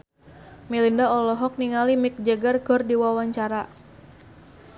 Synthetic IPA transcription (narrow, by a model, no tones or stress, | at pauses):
milindaɔlɔɦɔk̚niŋalimɪk̚d͡ʒəɡarɡ̥ɔrdiwawaɲt͡ʃaɾa